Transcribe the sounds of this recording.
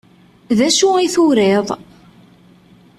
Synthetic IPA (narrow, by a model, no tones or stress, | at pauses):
ðæʃuiθʊɾeðˤ